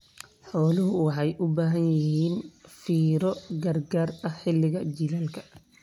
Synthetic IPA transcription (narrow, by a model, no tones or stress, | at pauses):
ħɔːlɪɦʊwɑħɑjʔʊbaːɦɐnjɪɦiːnfiːɾɔɡɐrɡaːrɐhħɪlːɪɣɐd͡ʒilaːlkʰɐ̥